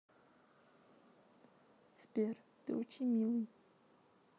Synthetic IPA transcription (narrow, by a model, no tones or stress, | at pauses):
spʲer | t̪ɨ̰ot͡ɕɪnʲmʲilˠɨj